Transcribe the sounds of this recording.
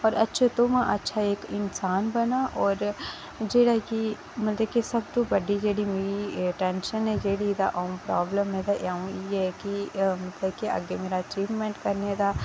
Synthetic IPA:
ɔːɾɐtːʃʰat̪omãʔɐtːʃʰaeːkɪnsaːnbɐnaʔɔːɾ | d͡ʒeːɽaki | mɐt̪ləb̚kesɐb̚t̪obɐɽid͡ʒeːɽimeːɾiʈɛ̃nʃənɦɛd͡ʒeːɽid̪aʔoːmpɾaːbləmɦɛ̃d̪aʔaːũjeɦɛkimɐt̪ləbkeʔɐ̰ɡemeːɾaɐt͡ʃiːʋmẽɳʈkɐɾned̪aː

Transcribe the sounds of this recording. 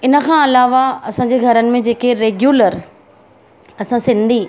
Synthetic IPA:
ɪnə̆kʰãɐlaːʋaɐsãːɲd͡ʑeɡʱɐɾənɪ̆mẽd͡ʑeːkeɾeːɡjuːləɾ | ɐsãsɪ̃nd̪ʱi

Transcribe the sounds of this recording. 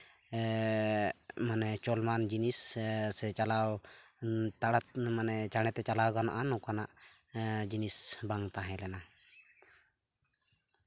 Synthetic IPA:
manɛt͡ʃɔlmand͡ʒinissɛt͡ʃalaw | t̪aɽat̪̚manɛt͡ʃaɽ̃ɛt̪ɛt͡ʃalawɡana̰ʔanɔ̃kanaʔ | d͡ʒinisbaŋt̪aɦɛ̃lɛna

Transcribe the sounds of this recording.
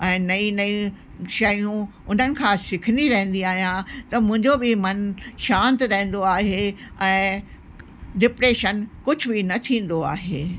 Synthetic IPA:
ɛ̃ːnɐinɐĩ | ʃɐjũ | ʊn̤ənɪ̆kʰãsɪkʰə̃nd̪iɾɐɦə̃n̆d̪iaːɦijãt̪ɐmʊ̃ɦɪ̃ɲd͡ʑobɪmɐnʃãːnt̪ɾɐɦə̃n̆d̪oaːɦeɛ̃ː | ɖɪpɾeːʃənkʊd͡ʑʱʊ̆bɪnɐt̪ʰĩːn̆d̪oa̰ːɦeː

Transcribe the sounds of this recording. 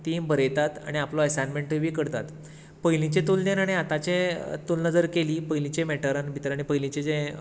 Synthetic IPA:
t̪inbʱəɾəjt̪at̪a̰ɽ̃iaplɔɛsanmeɳʈəʋiːkəɾt̪at̪ | pəɦjlĩt͡ɕẽt̪ulnenaɽ̃iat̪at͡ɕet̪ulnəd͡zəɾkeliːpəjlĩt͡ɕẽmeʈəɾanbʱit̪ɾaɽ̃ipəjlĩt͡ɕed͡zẽ

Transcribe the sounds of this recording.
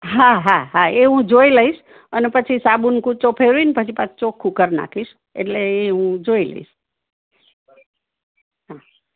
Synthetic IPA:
ɦaɦaɦaeũd͡ʒoiləiʃ | ənepət͡ʃʰisabunkũt͡ʃopʰeɾuinpət͡ʃʰipat͡ʃt͡ʃokʰːukəɾna̰kʰiʃ | ḛʈleːɦũd͡ʒoilə̰ḭʃ | ɦa

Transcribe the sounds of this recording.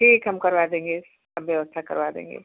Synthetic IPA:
ʈʰiːkɦɐmkɐɾʋad̪ẽːŋɡe | ɐbjɐʋəst̪ʰakɐ̰ɾʋad̪ḛ̃ːŋɡḛː

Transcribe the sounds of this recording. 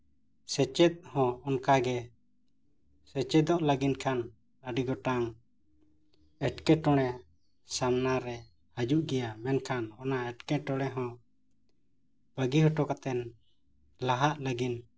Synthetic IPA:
sɛt͡ʃɛt̪̚hɔ̃ɔnkaɡɛ | sɛt͡ʃɛd̪ɔʔlaɡinkʰan | əɖiɡɔʈaŋ | ɛʈkɛʈɔɽ̃ɛ | samnaɾɛ | həd͡ʒuʔɡɛjamɛnkʰanɔnaɛʈkɛʈɔɽ̃ɛɦɔ̃ | b̥əɡiɦɔʈɔkat̪ɛn | laɦaʔləɡin

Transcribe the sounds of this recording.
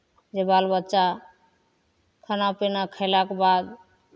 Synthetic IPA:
d͡ʒebalbətːt͡ʃa | kʰənapenakʰəɪlakebad̪

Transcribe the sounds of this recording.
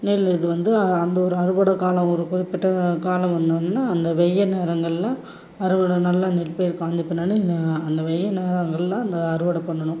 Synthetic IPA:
niːɭɪðɯʋɐnd̪ɯɐnd̪ɐɔɾɯɐɾɯʋɐɽɐkaːlɐɔɾɯkʊrɪpːɪʈːɐkaːlɐ̃mʋɐnd̪ɯnɯnːaːɐnd̪ɐʋɛjːɐneːɾɐŋɡɐɭlãː | ɐɾɯʋɐɽɐnɐlːaːnilpejɪɾkːãːnd̪ɪpːɐnːaːnɯnɐnd̪ɐʋɛjːɐneːɾɐŋɡɐɭlãːɐnd̪ɐːɾɯʋɐɽɐpːɐɳːɐɳʊ̃

